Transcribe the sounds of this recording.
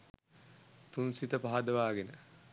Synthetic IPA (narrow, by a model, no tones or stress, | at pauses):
t̪unsit̪əpaɦad̪əʋaːɡenə